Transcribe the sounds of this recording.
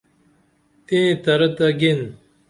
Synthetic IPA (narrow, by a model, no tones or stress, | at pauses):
t̪ẽːt̪ɐɾɐt̪ɐɡin